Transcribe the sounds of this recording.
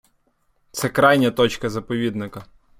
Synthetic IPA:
t̪sɛkɾɑjnʲɐt̪ɔt͡ʃkɐzɐpɔʋʲid̪nɪkɐ

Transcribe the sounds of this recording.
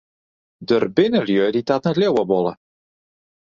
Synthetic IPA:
dərbɪnəljødit̪at̪nɛtlewəbɔlˠə

